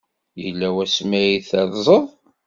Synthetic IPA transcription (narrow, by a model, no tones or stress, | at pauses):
jəlːæwæsmæjiθæɾˤzˤəðˤ